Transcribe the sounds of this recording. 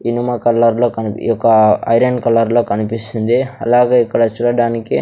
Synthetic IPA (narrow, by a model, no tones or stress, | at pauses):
inumɐkɐlːɐɾloːkɐnɔkːɐɐ̰jɾɐnkɐlɐɾlo̞ːkɐnipist̪und̪iɐ̰laːɡeːikːɐɽɐt͡ʃuːɽɐɽaːniki